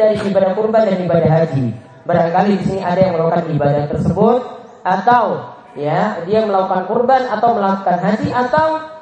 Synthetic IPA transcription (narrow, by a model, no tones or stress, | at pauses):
aɾiibadakurbandanibadaɦad͡ʒi | baɾaŋkalidisiniʔadajaŋməlakukanibadat̪ərsəbʊt̪̚ | ʔat̪aw | jadiaməlakukankurbanat̪awməlaku̥kanɦad͡ʒiʔat̪aw